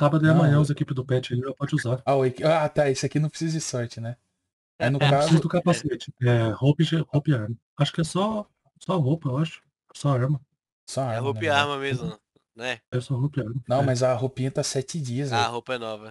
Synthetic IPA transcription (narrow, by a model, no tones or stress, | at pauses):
sabɐd̪ʊiamɐ̃ɲɐ̃ʊzekipɪzd̪ʊpɛt͡ʃɪɐliɐpɔd͡ʒɪuzaɾaʊekiat̪aesʊɪakinɐ̃pɾɪsizɐd͡ʒɪsɔɾt͡ʃɪnɛ | anʊkkaɾzsizɐd̪ʊkapaset͡ʃɪ̥ɛhopid͡ʒɪhopiaɾmɐ | aʃʊ̥kɪɛsɔ | sɔɦowpɐewaʃʊ̥ | ɛsɔaɾmɐ | ɛsɔaɾɦomɐiaɾmɐmezʊ | nɛɛsɔɦowpiaɾmɐnɐ̃w̃majzɐɦopĩɲɐt̪asɛt͡ʃɪd͡ʒiɐzahowpɐɛnɔvɐ